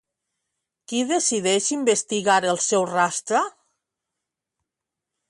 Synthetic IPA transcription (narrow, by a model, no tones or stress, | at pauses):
kiðesiðɛʃimbest̪iɣaɾəlˠsɛwrast̪ɾa